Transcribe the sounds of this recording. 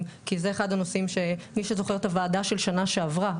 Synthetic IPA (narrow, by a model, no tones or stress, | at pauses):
kize̞ːχad̪ano̞simʃe̞miʃezo̞χe̞t̪avaːd̪aʃe̞lʃanaʃe̞avʁa